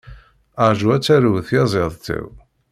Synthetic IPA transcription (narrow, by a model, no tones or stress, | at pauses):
əʕʒuæt͡sːæɾuwθjɑzˤeðˤt̪ə̰w